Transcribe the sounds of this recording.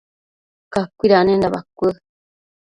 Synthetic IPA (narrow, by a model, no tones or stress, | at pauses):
kakʷiɾanẽnd̪aβa̰kʷə